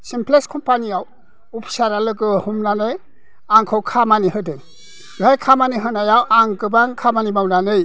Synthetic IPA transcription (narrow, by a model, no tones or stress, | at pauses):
simpʰleskʰɔmpaniaw | upʰsaɾalɯɡɯhumnanɯj | aŋkʰɯwkʰamanihɯdɯj | ɡajkʰamaniɦɯnajawʔaŋkɯbaŋkʰamanimawnanɯj